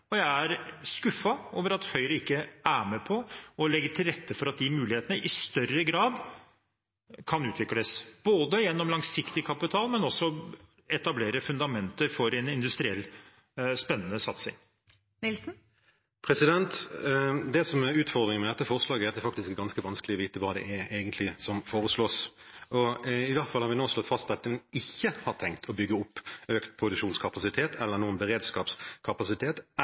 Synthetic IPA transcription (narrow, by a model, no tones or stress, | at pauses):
ɔjæɪæɾskʉfːɑoːʋəɾɑt̪hœʏɾəɪkːəæːmɛpʰɔɔlɛɡːəʈʰɪlɾɛt̪ːəfɔɾɑt̪̚d̪ɪmʉːlɪheːt̪ənəʔɪst̪œrəɡɾɑːd̪ | kʰɑnʉːt̪ʰʋɪkləsb̥oːd̪əjɛnːɔmlɑŋsɪkt̪ɪkʰɑpɪt̪ʰɑːlmɛnɔsːɔ | ɛt̪ɑbleːɾəfʉnd̪ɑmɛnt̪əɾfɔɾɛnɪnd̪ʉst̪ɾɪɛlː | spɛnːənəsɑt̪sɪ̰ŋ | nɪlsn̩ | pʰɾɛsɪd̪ɛnt̪ | d̪ɛsɔmɛɾʉːt̪fɔʁd̪ɾɪŋənmɛd̪ɛt̪ːəfɔʁslɑːɡəɛɾɑt̪ɛɾfɑk̚t̪ɪskɡɑnskəʋɑnskəlɪɔʋiːt̪əʋɑːd̪ɛ̰ʔɛeːɡənt̪lɪsɔmfoːɾəsloːs | ɔɪʋæɾt̪fɑlhɑɾʋɪnoːslɔt̪ːfɑst̪̚d̪ɛt̪ːəmɛnɪçːəhɑɾt̪ʰɛŋkt̪ʰɔbʏɡːəʊpːøːkt̪̚pʰɾʊd̪ʉkʂuːnskʰɑpɑsɪt̪ʰeːt̪ʰɛlːəɾnuːənbəɾeːd̪skɑːpskʰɑpɑsɪt̪ʰeːt̪